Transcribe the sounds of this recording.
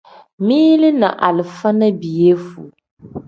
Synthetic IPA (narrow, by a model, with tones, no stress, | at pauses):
miː˦lɪ˦na˨ʔa˨lɪ˨fa˦na˦bi˨je˦fu˨